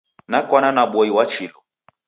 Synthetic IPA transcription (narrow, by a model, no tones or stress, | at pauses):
nakwananaɓɔiwat͡ʃilɔ